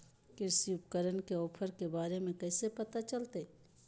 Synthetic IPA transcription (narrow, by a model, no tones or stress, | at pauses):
kɪɾsiʊp̚kəɾənkeɔːpʰəɾkebaːɾemẽkɛːsepɐt̪at͡ʃɐlt̪e